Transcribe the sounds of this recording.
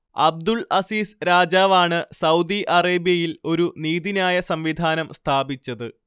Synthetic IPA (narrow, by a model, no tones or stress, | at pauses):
ɐ̰b̚d̪uɭɐsiːsɾaːd͡ʑaːʋaːɳɨsɐwd̪iʔɐreːbjɐjilo̞ɾuniːðinaːjɐsɐmʋid̪ʱaːnɐmst̪ʰaːbit͡ɕːɐðɨ